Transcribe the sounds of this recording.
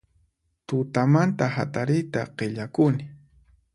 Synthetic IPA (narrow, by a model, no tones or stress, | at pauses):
t̪ʊt̪amant̪aha̰t̪aɾɪjt̪aqeʎakʊnɪ